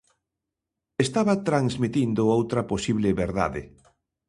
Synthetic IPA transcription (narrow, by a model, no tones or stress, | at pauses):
est̪aβɐt̪ɾaŋzmit̪ind̪ʊowt̪ɾɐposiβlɪβeɾða̰ðɪ̰